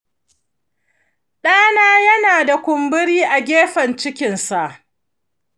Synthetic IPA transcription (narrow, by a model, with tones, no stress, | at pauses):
ɗaː˦naː˦jɐ˦naː˨da˨kʷʊ˨mbɪ˦ɽiː˦ʔa˨ɡʲeː˦ɸɐ˨nt͡ʃɪ˦kʲɪ˨nsa˨ʔ